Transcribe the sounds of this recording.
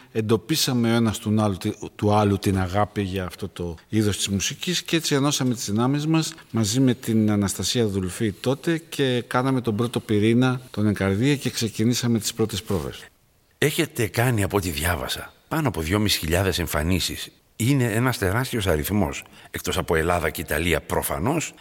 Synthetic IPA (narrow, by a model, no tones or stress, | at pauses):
e̞nd̪o̞pisɐme̞o̞e̞nɐst̪unɐlt̪uɐlut̪inɐɣɐpiʝɐːft̪o̞t̪o̞iðo̞st̪izmusiciscee̞t͡sieno̞sɐme̞t̪izðinɐmizmɐsmɐzime̞t̪inɐnɐst̪ɐsiɐðulfit̪o̞t̪e̞cʰe̞kɐnɐme̞t̪o̞bɾo̞t̪o̞piɾinɐt̪o̞ne̞ŋkɐɾðiɐce̞kse̞cinisɐme̞t̪i̥spɾo̞t̪e̞spɾo̞ve̞̰s | e̞çe̞t̪e̞kɐniɐpot̪iðʝɐvɐ̰sɐpɐnoɐpo̞ðʝo̞misi̥çiʎɐðe̞se̞ɱfɐ̰nisis | ine̞e̞nɐst̪e̞ɾɐst̪io̞sɐɾiθmo̞sekt̪o̞sɐpo̞e̞lɐðɐceit̪ɐliɐpɾo̞fɐ̰no̞s